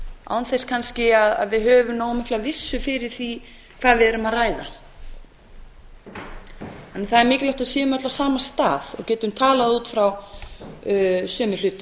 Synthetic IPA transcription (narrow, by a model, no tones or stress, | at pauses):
a̰wnθejskʰanscɪaða̰ðvɪðɦœːvʏmnoːwmɪhklavɪsːʏfɪɾɪɾ̥θi | kʰv̥aːðvɪðɛɾʏmaðraːjða̰ | hanːaɾθaðɛɾmɪːcɪlɔwht̪asjɛːðʏmœt̪lasaːmast̪aːðɔ̰ɣcɛːt̪ʏmt̪ʰaːlaðuːt̪fɾaw | sœːmʏlʏːt̪ʏ